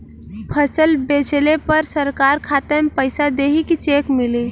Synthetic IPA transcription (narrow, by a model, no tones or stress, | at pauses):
pʰəsəlbet͡ʃlepəɾsəɾkaɾkʰat̪əmpəjsad̪eɦikit͡ʃekmili